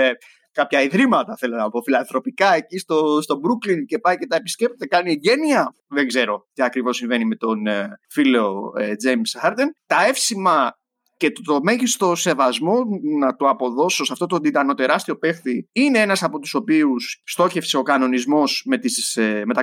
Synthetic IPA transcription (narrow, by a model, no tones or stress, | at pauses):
e | kɐpçɐiðɾimɐt̪ɐθe̞lonɐpo̞filɐnθɾo̞pikɐecist̪ost̪o̞bɾuklince̞pɐjce̞t̪ɐepi̥scep̚t̪ot̪ekɐnieɟe̞niɐ | ðe̞ŋɡze̞ɾo̞t̪iɐkɾivo̞sːĩɱve̞nime̞t̪o̞nfileoed͡ze̞jmsxɐɾd̪ent̪ɐe̞fsimɐ | ce̞t̪o̞me̞ʝist̪o̞se̞vɐzmo̞nɐt̪oɐpo̞ðo̞sosɐft̪o̞t̪od̪id̪ɐno̞t̪e̞ɾɐst̪io̞pe̞xθiine̞enɐsɐpo̞t̪u̥so̞piusːt̪o̞çe̞fseo̞kɐno̞nizmo̞sme̞t̪issme̞t̪ɐ